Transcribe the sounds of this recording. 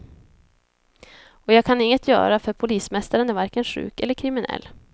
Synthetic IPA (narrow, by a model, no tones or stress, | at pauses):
ɔjɑːɡ̚kʰanɪŋːət̪ʰjœ̰ːɾafœɾpʰʊliːsmɛst̪aɾənæɾvaɾkənʂʉ̟̰ːkɛlːəɾkʰɾɪmɪnɛ̰lː